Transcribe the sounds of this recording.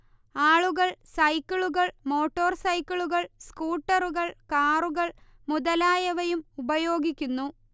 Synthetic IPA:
aːɭuɣɐɭsɐjkːɐɭuɣɐɭmo̞ːʈːo̞ːrsɐjkːɐɭuɣɐɭskuːʈːɐruɣɐɭkaːruɣɐɭ | muðɐlaːjɐʋɐjumubɐjoːɡikʲːunːu

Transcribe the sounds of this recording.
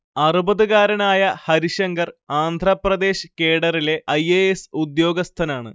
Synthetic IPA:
ɐrubɐðuɣaːɾɐnaːjɐhɐɾiɕɐŋɡɐraːnd̪ʱrɐprɐd̪e̞ːɕkeːɽɐrile̞ʔɐjeesud̪jo̞ːɡɐst̪ʰɐnaːɳɨ̰

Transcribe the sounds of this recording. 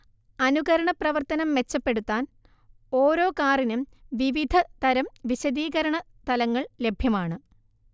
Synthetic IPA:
ɐnuɣɐɾɐɳɐprɐʋɐrt̪ɐnɐmʋe̞t͡ɕːɐpːe̞ɽut̪ːaːn | oːɾo̞ːkaːrinumʋiʋid̪ʱɐt̪ɐɾɐmʋiɕɐd̪iːɣɐɾɐɳɐ | t̪ɐlɐŋːɐɭle̞bʱjɐmaːɳɨ

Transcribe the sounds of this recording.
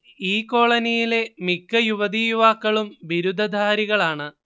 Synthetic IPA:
iːkːo̞ːɭɐnijile̞mikːɐjuʋɐd̪ijuʋaːkːɐɭumʋiɾud̪ʱɐd̪ʱaːɾiɣɐɭaːɳɨ

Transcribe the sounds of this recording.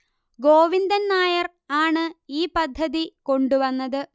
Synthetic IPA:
ɡo̞ːʋind̪ɐnnaːjɐr | aːɳɨiːpɐd̪ʱːɐðiko̞ɳɖuʋɐnːɐðɨ

